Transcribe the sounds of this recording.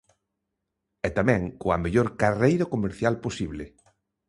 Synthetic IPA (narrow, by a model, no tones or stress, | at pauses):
ɛt̪amɛ̃ŋkoameʎoɾkarejɾakomeɾθjalposiβlɪ